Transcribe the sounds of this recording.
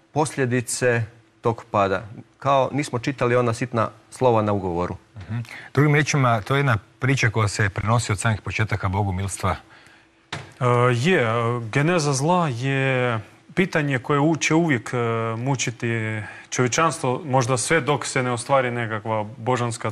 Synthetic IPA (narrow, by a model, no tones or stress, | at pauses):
po̞sʎʲe̞d̪it̪se̞ | t̪o̞ɡpaːd̪a̰kao̞niːsmo̞t͡ʃit̪alio̞nasit̪na̰slˠo̞ʋanauɡo̞ʋoɾʔuh̩d̪̥ɾuɡimɾjeːt͡ʃimat̪ojejed̪napɾiːt͡ʃako̞jasepɾeno̞siosaːmnixpo̞t͡ʃeːt̪akabo̞ɡumilˠst̪ʋa | jeɡenezazlˠaje | piːt̪aɲekojeut͡ʃeuʋje̞kmut͡ʃit̪it͡ʃoʋjet͡ʃanst̪ʋomo̞ʒd̪asʋed̪o̞kseneost̪ʋaːɾinekakʋaboʒanska